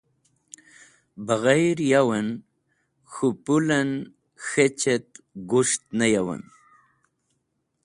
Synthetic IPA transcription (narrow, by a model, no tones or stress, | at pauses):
baɣajɾjawan | xupulan | xet͡ɕet̪̚ɡuʂt̪̚najawa̰n